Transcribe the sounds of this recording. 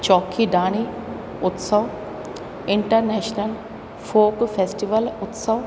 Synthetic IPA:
t͡ʃɔːkʰiɖ̪aːɽ̃i | ʊt̪səʋ | ɪɳʈəɾneːʃnəl | fʰoːkfʰesʈiʋəlʊt̪səʋ

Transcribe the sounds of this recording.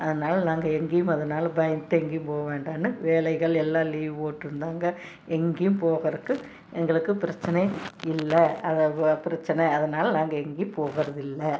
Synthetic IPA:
ɐðɐnaːlɐnaːŋɡɐɛŋɡɪjɯmɐðɐnaːlɐbɐjnt̪ːɯɛŋɡijɯmpoːɣɐʋeːɳɖaːnːɯʋeːlɐɪɣɐɭɛlːaːliːʋoːʈːɾɯnd̪aːŋɡɐ | ɛŋɡijɯmpoːɣɐɾɯkːɯ | ɛŋɡɐɭɯkːɯpɪɾɐt͡ʃːɐnɐɪlːɐɐðɐpɪɾɐt͡ʃːɐnɐɪɐðɐnaːlɐnaːŋɡɐɛŋɡijɯmpoːɣɐɾɐðɪlːɐ

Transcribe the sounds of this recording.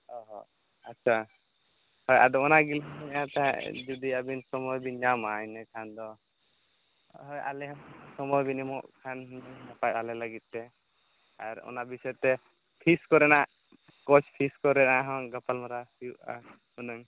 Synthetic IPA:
ɔɦɔ | atːt͡ʃʰa | hɔja̰d̪ɔɔnaɡilɦɛɲat̪ad͡ʒud̪iabinsɔmɔjbiɲamaɛnɛkʰand̪ɔ | ɦɔjʔa̰lɛɦsɔmɔjbinimɔʔkʰanɦɲnapajt̪̚alɛlaɡit̪̚t̪ɛ | aɾɔ̰nabisɔɛt̪ɛ | p̪ʰiskɔɾɛnaʔ | kɔt͡ʃʰpʰiskɔɾɛʔaɦɔ̃ɡapalmaɾasijuʔa̰ | hunɔŋ

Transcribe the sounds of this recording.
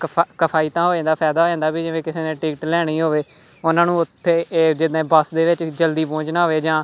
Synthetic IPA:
kəpʰaːiːt̪ãːɦoːd͡ʒãːnd̪aːpʰɛːd̪aːɦoːd͡ʒãːd̪aːbiːd͡ʒɪʋẽːkɪseːnẽːʈiːkʈlɛːɽ̃iːɦoːʋeː | ʊnãːnũːʊt̪ʰːeːd͡ʒɪd̪ẽːbəsd̪eːʋɪt͡ʃd͡ʒəld̪iːpõːt͡ʃnaːɦoːʋeːd͡ʒãː

